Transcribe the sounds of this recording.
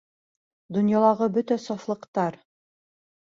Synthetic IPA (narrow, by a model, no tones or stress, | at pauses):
d̪ŏnjɑlˠɑʁɤbɵt̪æsɑflˠɤ̆qt̪ɑɾ